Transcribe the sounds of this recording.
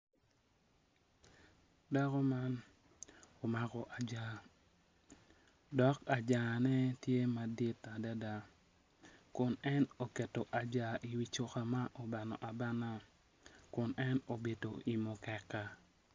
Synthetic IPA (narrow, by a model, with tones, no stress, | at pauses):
da˦kɔ˦ma˦n | o˨ma˦kɔ˨ʔa˨d͡ʒa˦ | dɔ˦ka˨d͡ʒa˨nɛ˦tje˦ma˨di˦ta˨da˦da˨ | kʊ˨nɛ˦no˨ke˨to˨ʔa˨d͡ʒa˨ʔi˨wi˦t͡ʃo˦xa˨ma˦ʔo˨ba˨nɔ˨ʔa˨ba˦na˦ | kʊ˨nɛ˦no˨be˨to˨i˨mɔ˨kɛ˨kːa˦